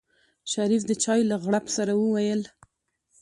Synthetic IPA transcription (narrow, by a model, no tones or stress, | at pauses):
ʃaɾifd̪ət͡ʃɑjlaɣɽapsaɾawəwajəl